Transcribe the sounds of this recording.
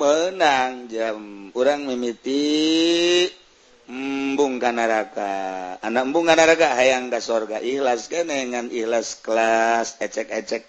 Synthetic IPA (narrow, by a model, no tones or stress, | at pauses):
mənaŋd͡ʒampuɾaŋmimit̪i | buŋkanaɾakaːnambuŋkanaɾakaɦajaŋkasorɡaʔihlasɡanɛŋanihlasklasɛt͡ʃɛkɛt͡ʃɛk̚